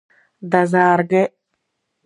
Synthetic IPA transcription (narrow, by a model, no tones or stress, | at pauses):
d̪ɐzaːɾɡe